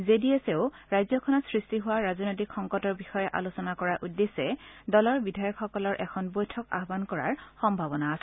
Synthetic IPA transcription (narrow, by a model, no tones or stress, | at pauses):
zedieseʊɹajzɔkʰɔnɔtsɹistiɦʊwaɹazɔnojt̬ikxɔŋkɔtɔɹbixɔjɛʔa̰losɔnakɔɹaʔudːesɛdɔlɔɹbidʱajɔkxɔkɔlɔɹʔɛkʰɔnbojtʰɔka̰ɦbankɔɹa̰ɹxɔmbʱabɔnaːsɛ